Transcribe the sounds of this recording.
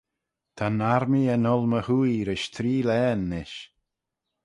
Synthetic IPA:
t̪ʰanaɾmiənɔlˠməhujɾɪʃt̪ʰɾiːlɛːnːɪʃ

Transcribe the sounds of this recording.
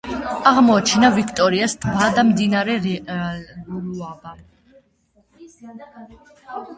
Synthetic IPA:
aʁmɔat͡ʃʰɛnavikʰt̪ʼɔɾiasd̪ʰbad̪amd̪inaɾɛ | ɡuɾuaba

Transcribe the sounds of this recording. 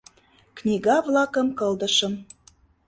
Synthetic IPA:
knʲiɣɑvlɑkə̆mkɤ̆ld̪ə̆ʃə̆m

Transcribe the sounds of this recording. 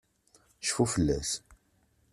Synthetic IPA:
ʃfufəlːæ̰s

